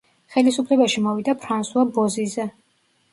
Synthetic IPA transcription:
χɛlisupʰlɛbaʃimɔvid̪apʰɾansuabɔzizɛ

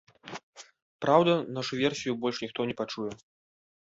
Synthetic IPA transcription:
pɾawd̪ɐnaʂuvʲɛrsʲijubɔlʲʂnʲixt̪ɔnʲɛpat͡ʂujɛ

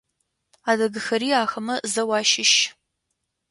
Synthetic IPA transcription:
aːdɐɡɨxɐɾiːaːxɐmɐzɐwɑːʃɪʃ

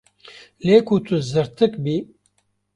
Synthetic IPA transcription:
leːkʰut̪ʰuzɨɾt̪ʰɨkbiː

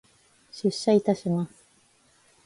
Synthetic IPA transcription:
ɕɨɕːait̪aɕimasɨ̥

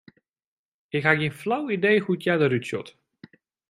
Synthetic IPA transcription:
ɪkɦaɡjinflawidejhutjadəɾytsɔ̰t

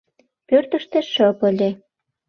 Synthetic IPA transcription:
pørt̪ə̆ʃt̪ĕʃəpə̆lʲe

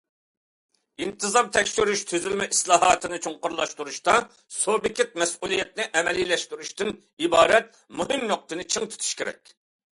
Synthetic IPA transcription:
int̪ʰɨzɑmt̪ʰɛkʲʃyɾyʃt̪ʰyzylmɛʔislˠɑːɦɑːt̪ʰɨnɨt͡ʃʰoŋqʊɾlˠɑʃt̪uɾuʃt̪ɑ | sobɪkʲʰɪt̪̚mɛsulˠijɛt̪̚nɪʔɛmɛlilɛʃt̪yɾuʃt̪ɪn | ibɑːɾɛt̪̚ | muɦɨmnoq̚t̪ɨnɨt͡ʃʰɨŋt̪ʰy̥t̪ʰu̥ʃkʲeɾɛ̰kʲ

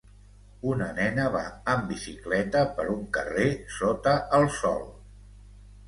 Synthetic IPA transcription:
unənɛnəβaəmbisiklɛt̪əpəɾuŋkəresot̪əʔəlˠsɔ̰lˠ

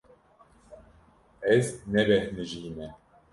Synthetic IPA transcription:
ɛznɛvɛhnɨʒiːnɛ

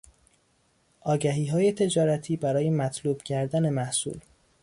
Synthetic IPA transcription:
ʔɒːɟæɦiːɦɒːje̞t̪ʰe̞d͡ʒɒːɾæt̪ʰiːbæɾɒːje̞mæt̪ʰluːb̥cʰæɾd̪æne̞mæhsṵːl

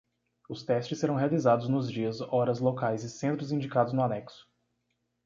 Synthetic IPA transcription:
ʊst̪ɛst͡ʃɪsːeɾɐ̃w̃ɦealizad̪ʊznʊzd͡ʒiɐzɔɾɐzlokajzɪsẽnt̪ɾʊzĩd͡ʒikad̪ʊznʊanɛksʊ̥

